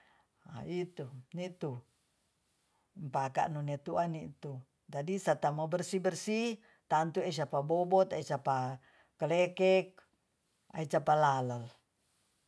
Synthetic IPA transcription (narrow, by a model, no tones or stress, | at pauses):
a̰it̪unit̪u | mpaka̰ʔnunɛt̪uʔanit̪u | d͡ʒadisat̪amobɛrsibərsi | t̪ant̪ues̬apabɔbɔt̪ait͡ʃapa | kəlɛkɛk̚ | a̰it͡ʃapalalal